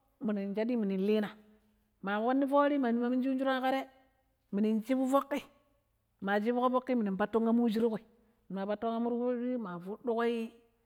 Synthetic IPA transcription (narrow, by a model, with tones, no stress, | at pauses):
mi˨ni˨nd͡ʒa˦di˦mi˨ni˨n˨li˦na˨ | ma˨wo˦nːi˦fo˦ɾi˦ma˨ni˦ma˦mi˦nd͡ʒi˦d͡ʒu˦ɾa˦ka˦ɾe˦ | mi˨ni˨nt͡ʃi˦bu˦vo˦kːi˦ | ma˨d͡ʒi˦bu˦ko˦vo˦kːi˦mi˨ni˨m˨pa˦to˦ŋa˦mu˦d͡ʒi˦ɾi˦ko˨i˨ | ma˨pa˦to˦ŋa˦mu˦ɾho˦ɾi˦ma˨vu˦du˦ko˦i˦